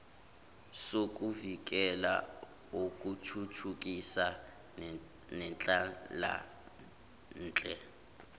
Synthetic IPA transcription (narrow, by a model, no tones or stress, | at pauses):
sok̬ʼuvik̬ɛla̰ | ok̬ʼutʰutʰuk̬isa | nɛnt͡ɬʼala̰ | n̩ːt͡ɬʼɛ